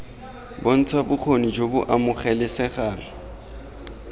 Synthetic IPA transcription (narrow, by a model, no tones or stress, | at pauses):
bon̩t͡sʰwabʊk͡xʰonid͡ʒobʊʔamʊχɛlɪsɛχaːŋ̩